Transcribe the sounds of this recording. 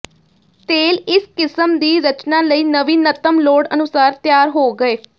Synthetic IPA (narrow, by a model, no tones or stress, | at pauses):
t̪eːlɪskɪsəmd̪iːɾət͡ʃnãːləiːnəʋiːnət̪əmloːɽənʊsaːɾt̪jaːɾɦoːɡəeː